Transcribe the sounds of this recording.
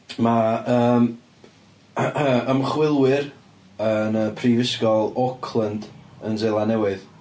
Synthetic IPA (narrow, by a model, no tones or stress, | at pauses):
maəːm | əmχwɪlˠwɪr | ənəpʰriːvɪskɔlˠɔkʰlˠəndənzelˠanɛwɪð